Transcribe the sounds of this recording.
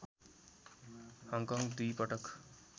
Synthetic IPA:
hʌŋkɔŋɡd̪ujpʌʈʌk

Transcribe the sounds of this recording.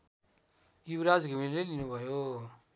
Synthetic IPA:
jubɾad͡zɡʱimillejlinubʱʌjo

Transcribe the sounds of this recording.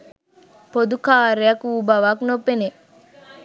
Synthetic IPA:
pod̪ukaːɾejɐkuːbɐʋaknopːene

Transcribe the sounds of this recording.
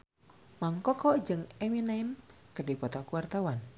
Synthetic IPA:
maŋkɔkɔd͡ʒəŋeminamkərdipɔt̪ɔkuwart̪awan

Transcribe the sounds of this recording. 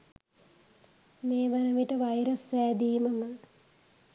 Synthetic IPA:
meːʋɐnəʋiʈəʋajɾəsːæːd̪iːməmə

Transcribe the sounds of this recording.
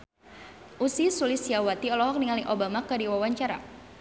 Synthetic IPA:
ʔusisulisjawat̪iɔlɔɦɔk̚niŋaliʔobamakadiwawaɲt͡ʃaɾa

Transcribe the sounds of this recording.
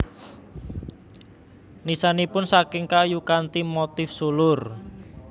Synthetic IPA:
nisanipʊnsakɪŋkajukant̪imot̪ɪfsulʊr

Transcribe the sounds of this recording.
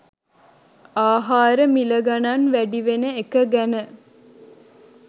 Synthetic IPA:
aːɦaːɾəmiləɡananʋæɖiʋenəekəɡænə

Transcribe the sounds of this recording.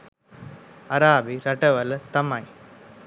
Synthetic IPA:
ɐɾaːbiɾɐʈɐʋɐlət̪ɐmɐj

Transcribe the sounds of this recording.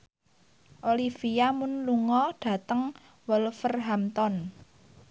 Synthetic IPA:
ʔolifijamʊnluŋɔɖ̥ä̤t̪əŋ | wɔlfərɦamt̪ɔn

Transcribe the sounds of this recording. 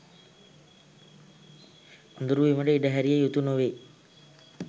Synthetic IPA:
und̪uɾuʋiməɖəiɖəɦæɾijejut̪unoʋeː

